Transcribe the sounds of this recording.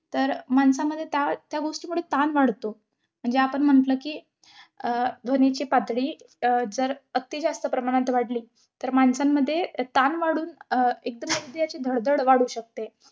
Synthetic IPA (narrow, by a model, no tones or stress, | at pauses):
t̪əɾmansaməd̪ʱːjet̪jat̪jaɡoʂʈimuɽ̤et̪anʋaɽt̪o | m̤əɳd͡zeapəɳm̤əɳʈləːkiː | d̪ʱənet͡ɕiːpat̪ɽiː | d͡zəɾət̪ːid͡zast̪əpɾəmaɽ̃at̪ʋaɽliː | t̪əɾmansamːəd̪ʱːjet̪anʋaɽuːnek̚d̪əmjəʋid̪ʱjat͡ɕid̪ʱəɽd̪əɽʋaɽuːɕək̚t̪e